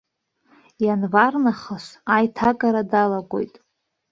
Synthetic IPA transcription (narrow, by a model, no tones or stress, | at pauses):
janvarnaχəsajtʰakʼaɾadalaɡʷʼo̰jtʼ